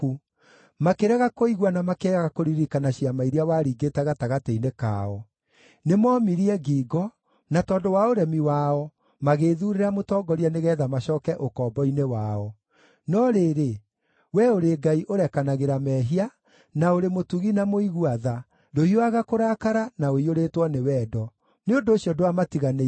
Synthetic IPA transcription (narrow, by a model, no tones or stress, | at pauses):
u | makeɾɛɣakoiɣwanamakeaɣakoɾiɾikanaɕiamaiɾiawaɾiːɡetɛɣataɣateineka̰ɔ | nemɔmiɾiɛɡiːɡɔ | natɔːndowaoɾɛmiwaɔ | maɣeðuɾeɾamotɔɡɔɾianeɣɛːðamaɕɔːkɛʔokɔːbɔinewaɔ | nɔɾeːɾe | wɛoɾeɡaiʔoɾɛkanaɣeɾamɛɦia | naoɾemotuɣinamoiɣuaða | dohioaɣakoɾaːkaɾanaoioɾetwɔnewɛːdɔ | neondoːɕiɔdoamatiɣane